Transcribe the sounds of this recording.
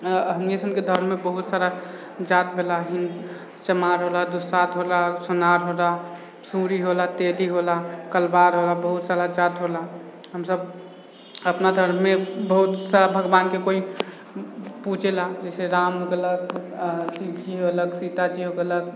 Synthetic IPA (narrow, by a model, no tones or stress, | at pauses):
ɦəmnesənked̪ʱəɾmebəɦut̪saɾa | d͡ʒat̪̚bʱelaɦin | t͡ʃəmaɾɦolad̪usat̪ɦolasunaɾɦola | sũɾiɦolat̪eliɦolakəlbaɾɦolabəɦut̪saɾad͡ʒat̪ɦolaɦəmsəb | əpnad̪ʱəɾmːebəɦut̪saɾabʱəɡbankekoi | put͡ʃelad͡ʒɛɪseɾamoɡələɡsit͡ʃiələɡsit̪at͡ʃiɦokələɡ